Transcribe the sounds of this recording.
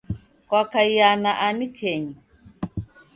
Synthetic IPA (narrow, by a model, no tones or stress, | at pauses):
kwakajjanaʔanikʰɛɲi